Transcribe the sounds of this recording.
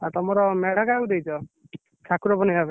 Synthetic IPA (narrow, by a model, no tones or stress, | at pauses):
at̪ɔmɔɾɔmeɽ̤akaud̪ejt͡ʃʰɔ | t͡ʃʰakuɾɔbɔnijabe